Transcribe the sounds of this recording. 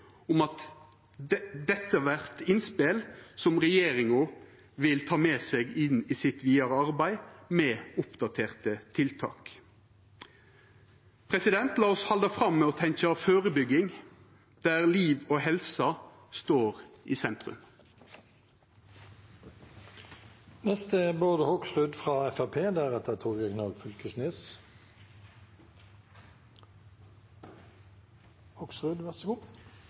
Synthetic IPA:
ʊmɑt̪ | d̪ɛt̪ːəʋæʁt̪ɪnspɪlsɔmʁɛjeːʁɪŋʊ | ʋɪlt̪ʰɑːmeːseɡɪniːsɪt̪ʋiːɑʁəɑʁbæɪmɛːʊpd̪ɑt̪ʰeːʁt̪ət̪ʰɪlt̪ʰɑ̰ːk | pʰɾɛsɪd̪ɛnt̪lɑːɔshɑld̪ɑfʁɑmːɛɔt̪ʰɛŋkəɑføːʁəbʏɡːɪŋ | d̪̥æːʁliːʋoːhɛlsɑ | st̪oːʁiːsɛnt̪ʁʉ̰m | nɛst̪əbøːd̪əhɔksʁʉd̪fʁɑːɛfæpʰeːd̪æːʁɑt̪d̪ət̪ʰuːɡɛɡnoːɡfʉlkəsneːs | hɔksʁʉd̪ʋæs

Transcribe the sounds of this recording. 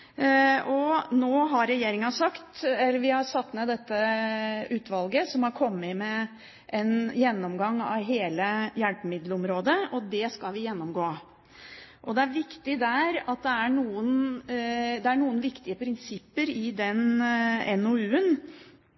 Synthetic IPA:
ɔnoːɦɑɾːɛjeːɾɪŋɑsɑkt̪ɛlːəɾʋɪhɑsɑt̪ːmɛd̪ɛt̪ːə | ʉːt̪ʰʋɑlɡəsɔmhɑɾkʰɔmːɪmɛ | ʔɛnjɛnːɔmɡɑŋːɑ̰ʋɦeːləjæɳpəmɪd̪lɔmɾoːd̪əɔd̪ɛskɑlʋɪjɛnːɔmɡoː | ʔɔd̪ɛæɾʋɪkt̪ɪd̪æɾɑt̪̚d̪ɛæɳuːən | d̪ɛæɳuːənʋɪkt̪ɪəpʰɾɪnsɪpːəɾɪd̪ɛnɛnoʉːən

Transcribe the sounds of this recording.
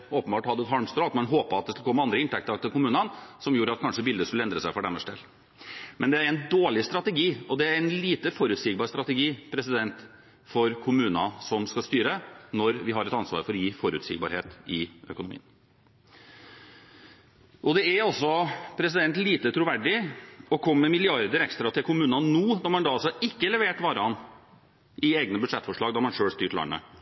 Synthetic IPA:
oːpənbɑːʈhɑd̪əɛt̪ɦɑɾmst̪ɾɑːt̪mɛnɦoːpəɑt̪̚d̪ɛskɑlkʰɔmːəɑnd̪ɾəɪnt̪ʰɛkt̪əɾt̪ʰɪlkʊmʉːnənsɔmjuːɾəɑt̪̚kʰɑnʂəbɪld̪əskʉlːɛnd̪ɾəsæɪfɔɖæməʂɖ̪ḛːlː | mɛnd̪ɛæɾɛnd̪oːɭɪst̪ɾɑt̪əɡiːɔd̪ɛæɾɛnliːt̪əfɔɾʉt̪siːɡ̚bɑːɾst̪ɾɑt̪əɡiːpʰɾɛsɪd̪ɛnt̪ | fɔɾkʰʊmʉːnɑsɔmskɑst̪yːɾənɔɾʋɪɦɑɾɛt̪ɑnsʋɑ̰ːɾfɔɾɔjiːfɔɾʉ̰t̪sḭːɡ̚bɑ̰ɾhḛːt̪ɪœ̰kʊnʊmḭːən | ʔɔd̪ɛæɾɔsːɔpʰɾɛs̬ɪd̪ɛnt̪liːt̪ət̪ʰɾʊʋæɖɪɔkʰɔmːəmɪlɪɑɾd̪əɾɛkst̪ɾɑt̪ʰɪlkʰʊmʉːnɑnuːd̪ɑɾmɑnd̪ɑɑlsɔɪkːəlɛʋeːʈʋɑːɾəɑnː | ʔɪeːɡnəbʉd̪ʂɛt̪ːfɔʂɭɑːɡd̪ɑɾmɑnʂøːlst̪yːʈɭɑ̰nə̰

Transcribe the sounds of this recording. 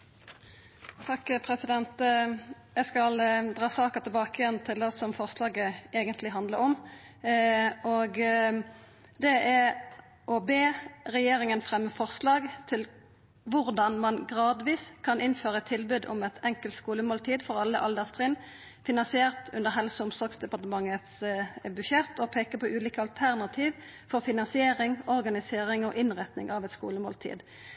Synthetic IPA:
t̪ʰɑkːpʰʁɛsɪd̪ɛnt̪ | jæɡskɑld̪ʁɑːsɑːkɑt̪ʰɪlbɑːkəjɛnt̪ʰɪld̪ɑsɔmfɔʁslɑːɡəeːɡənt̪lɪɦɑnd̪ləɾɔm | ɔɡ | d̪ɛʔæ | ʔɔbeːʁɛjeːʁɪŋənfʁɛmːəfɔʁslɑːɡt̪ʰɪl | ʋʊʁd̪ɑnmɑnɡʁɑːd̪ʋiːskʰɑnɪnføːʁəɛt̪ʰːɪlbʉːd̪ʊ̰mɛt̪ɛŋkəlt̪skuːləmoːlt̪ʰiːd̪fɔʁɑlːəʔɑld̪æʁst̪ʁiːn | fɪnɑnsɪeːʁt̪ʉnd̪əʁɦɛlsəʊmsɔɡsd̪ɛpɑʁt̪əmɑŋːət̪sbʉʃjɛt̪ʰːɔpʰeːkəpʰɔʔʉːliːkəɑlt̪ʰæʁnɑt̪ʰiːʋfɔʁfɪnɑnsɪeːʁɪŋɔʁɡɑnɪseːʁɪŋɔʔɪnʁɛt̪nɪ̰ŋʔɑʋɛt̪skṵːləmo̰ːlt̪ʰḭːd̪

